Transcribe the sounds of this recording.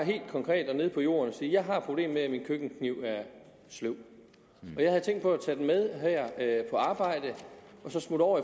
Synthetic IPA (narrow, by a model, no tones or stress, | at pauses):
ɦe̝̰ːld̥kʰɒ̽ŋkʰʁɛ̰ːd̥ɒ̽ne̝ð̞ˠpʰɒ̽jo̝̰ːɐnɒsiːjɑ̈ɪɦɑ̈pʰʁo̝b̥le̝̰ːmmeæminkʰøɡ̥n̩kʰniʊ̰æɐ | sloʊ̰ | ɒ̽jɑ̈ɪhæðˠt͡sʰeŋ̰ɡd̥pʰɒ̽æt͡sʰæd̥emeð̞ˠɦæɐ̰pʰɒ̽ɑ̈ːb̥ɑ̈ɪ̰d̥əʔɒ̽sɒ̽smud̥ɒʊ̰ɐi